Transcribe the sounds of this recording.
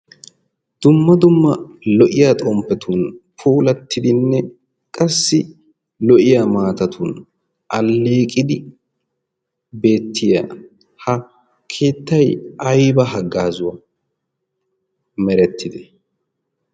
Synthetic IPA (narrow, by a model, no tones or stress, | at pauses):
d̪̥ʊmːɐd̪ʊmːɐ | lɔʔɪjaːt̪ʼɔmpːɛt̪ʰuːnpʰuːlɐt̪ːɪd̪ɪnːɛ | kʼɐsːɪ | lɔʔɪjamaːt̪ɐt̪ʰuːn | ɐlːe̞ːkʼɪd̪ɪ | be̞ːt̪ːɪja̰ | hɐ | kʰe̞ːt̪ːɐjɐjbɐɦɐɡːaːzʊwɐ | mɛɾɛt̪ʰːɪd̪ɛ